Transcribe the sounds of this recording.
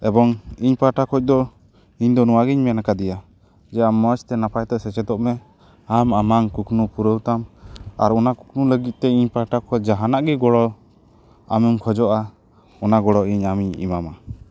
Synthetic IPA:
ɛbɔŋiɲpaʈakʰɔc̚ˀd̪ɔ | iɲd̪ɔnuwaɡiɲmɛnakad̪ija | d͡ʒɛamːət͡ʃt̪ɛnapʰajt̪ɔʔsɛt͡ʃɛt̪ɔʔmɛ | amamaŋkuknupuɾəwt̪ama̰ɾɔnaku̥knuləɡit̪̚t̪ɛiɲpaʈakʰɔd͡ʒaɦanaʔɡɛɡɔɽɔ | a̰mɛmkʰɔd͡ʒɔʔa | ɔnaɡɔɽɔʔiɲamiɲḭmama

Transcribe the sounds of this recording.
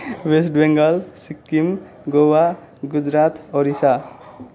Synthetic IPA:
wesʈbeŋɡʌlsikːim | ɡowa | ɡud͡ʒɾat̪oɾisa

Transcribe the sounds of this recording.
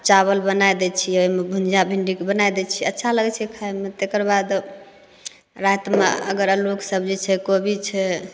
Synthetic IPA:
t͡ʃaβəlbənajd̪ɛt͡ʃʰioɦimebʱund͡ʒabʱiɳɖikebənajd̪ɛt͡ʃʰiətːʃʰaləɡɛt͡ʃʰɛkʰaemet̪ekəɾbad̪ | ɾat̪meə̰ɡəɾloksəbd͡ʒet͡ʃʰɛkobʱit͡ʃʰɛ

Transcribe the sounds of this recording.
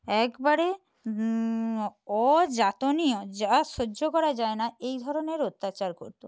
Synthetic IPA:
ɛkbaɾe | ɔd͡ʑat̪oniod͡ʑaʃoːokɔɾad͡ʑaenaejd̪ʱɔɾoneɾot̪ːat͡ɕaɾkoɾt̪o

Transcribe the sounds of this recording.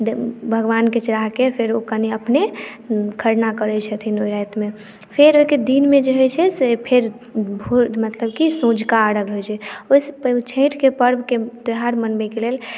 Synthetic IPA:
bʱəɡʋanket͡ʃəɾaɦkepʰeɾokəniəpne | kʰəɾnakəɾɛt͡ʃʰət̪ʰinojɾajt̪me | pʰeɾoiked̪inmed͡ʒeɦojt͡ʃʰɛsepʰeɾ | bʱumət̪ləbkisõd͡ʒkaːɽəɡɦojt͡ʃʰɛosept͡ʃʰə̃ɪ̃ʈkepəɾbʱked̪eɦaɾmənbɛkelel

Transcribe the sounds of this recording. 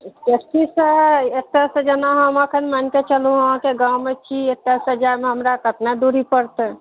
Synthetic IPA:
ketisəet̪ːəsəd͡ʒənaɦə̃məkʰənmənket͡ʃəlũəɦãkeɡãwmet͡ʃʰiet̪ːəsəd͡ʒameɦəmɾakət̪nad̪uɾipəɾt̪

